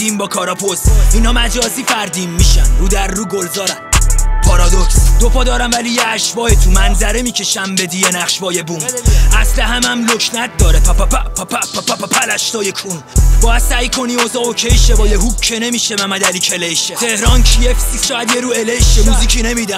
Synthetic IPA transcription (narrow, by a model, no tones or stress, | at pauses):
d̪imbɒːkʰɒːɾɒpʰosinhɒːmæd͡ʒɒːziːfæɾd̪iːmːiʃænɾuːd̪æɾːuːɡolzɒːɾænpʰɒɾɒd̪oksd̪̥opʰɒːd̪ɒːɾæmvælijeæʃvɒːet̪ʰumænzæɾemiːcʰeʃæmbe̞d̪iːjenæχʃvɒːjebuːmʔæslæɦæmæmlocʰnæt̪̚d̪ɒːɾepʰæpppʰppʰpæppʰælæʃt̪ɒːjekʰunb̥ɒːjæd̪̥sæikʰo̞niːozɒːocʰejʃebɒːjeɦub̚cʰːene̞miːʃemæmæd̪æliːcʰeleʃet̪ʰehɾɒːncʰiefsisʃɒːjæd̪jeɾuːeleʃemuːziːkʰine̞miːd̪æm